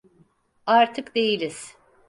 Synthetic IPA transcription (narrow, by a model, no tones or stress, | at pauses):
aɾt̪ʰɯkd̪e̞jilʲiz̥